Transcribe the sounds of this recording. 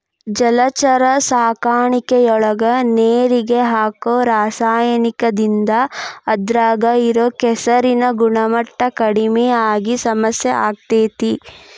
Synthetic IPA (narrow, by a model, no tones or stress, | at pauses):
d͡ʒɐlɐt͡ʃɐɾɐsaːkaːɳikejɔɭɐɡɐneːɾiɡeɦaːkoːɾaːsaːjɐnikɐd̪ind̪ɐːd̪ɾaːɡɐiɾoːkɛsɐɾinɐɡuɳɐmɐʈːɐkɐɽimɛjaːɡisɐmɐsjeʔaːɡ̚t̪eːt̪i